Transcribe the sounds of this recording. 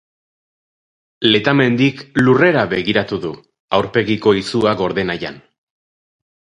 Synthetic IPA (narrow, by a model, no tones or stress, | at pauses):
le̞t̪ame̞nd̪iklure̞ɾaβe̞ɣiɾat̪uðu | awɾpe̞ɣiko̞isuaɣo̞ɾðe̞naja̰n